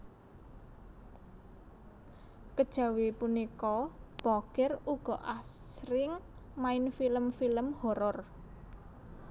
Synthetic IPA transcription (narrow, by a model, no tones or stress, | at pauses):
kəd̥ʒ̥ä̤wipunikɔb̥akɪruɡ̥ɔ̤ʔasɾɪŋmaɪnfiləmfiləmhɔɾɔr